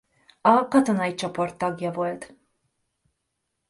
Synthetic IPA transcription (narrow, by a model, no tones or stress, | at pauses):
ɑkɑt̪ɔnɑjt͡ʃʰɔpɔrt̪ːɑɡjɑvɔlt̪